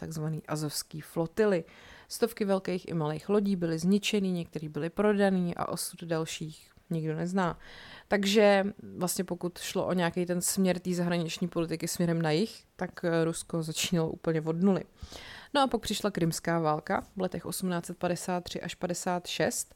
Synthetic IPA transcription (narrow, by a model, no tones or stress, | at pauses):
t̪aɡzvaniːʔazofskiːflo̞t̪ɪlɪ | st̪o̞fkɪvɛlkɛjxʔɪ̰malejxlo̞ɟiːbɪlɪzɲɪt͡ʃɛniːɲɛk̚t̪ɛɾiːbɪlɪpɾo̞daniːʔa̰ʔo̞sud̪dalʃiːx | ɲɪɡdo̞nɛznaːt̪aɡʒɛvlast̪ɲɛpo̞kut̪ʃlo̞ʔo̞ɲɛakɛjt̪ɛnsmɲɛɾt̪iːzaɦɾaɲɪt͡ʃɲiːpo̞lɪt̪ɪkɪsmɲɛɾɛmnajɪxt̪akɾusko̞zat͡ʃiːnaloʔṵːpl̩ɲɛvo̞dnulɪ̰noʔapak̚pr̥ɪʃlakɾɪmskaːvaːlkavlɛt̪ɛxʔo̞sumnaːt͡sɛt̪̚padɛsaːt̪̚ːr̝̥ɪʔaʃpadɛsaːt̪ʃɛst̪